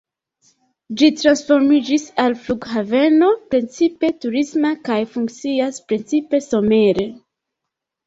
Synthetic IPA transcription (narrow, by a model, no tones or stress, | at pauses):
d͡ʒitɾansfo̞ɾmid͡ʒisalfluɡhave̞no̞pɾent͡sipe̞tuɾismakajfuŋkt͡siaspɾent͡sipe̞so̞me̞ɾe̞